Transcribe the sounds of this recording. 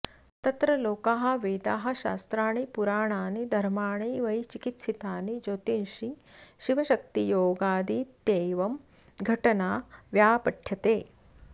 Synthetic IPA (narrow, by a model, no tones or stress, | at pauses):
t̪ɐt̪ɾɐloːkaːɦɐ̆ʋeːd̪aːɦɐ̆ʃaːst̪ɾaːɳipuɾaːɳaːnid̪ʱɐɾmaːɳiːʋɐjt͡ʃikit̪sit̪aːnid͡ʒoːt̪inʂiʃiʋɐʃɐk̚t̪ijoːɡaːd̪it̪eːʋɐm | ɡʱɐʈɐnaːʋjaːpɐʈʰjɐt̪eː